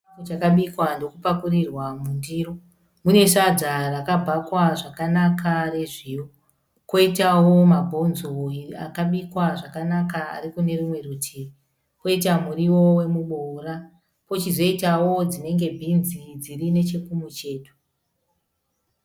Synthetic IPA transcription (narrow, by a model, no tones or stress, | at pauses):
kot͡ʃakaɓikwando̞kupakurirwamundiro | mune̞ʂad͡zarakabʱakwaʐakanakʰare̞ʐiːwo | ko̞itawo̞mabʱo̞nzoia̰kaɓikwaʐakanakaa̰ɾikune̞rumwe̞rutʰiːri | ko̞it̬amuriwo̞we̞muɓora | po̞t͡ʃizo̞itawo̞d͡zine̞ŋɡe̞bʱinzid͡zirine̞t͡ʃe̞kumut͡ʃe̞ːto̥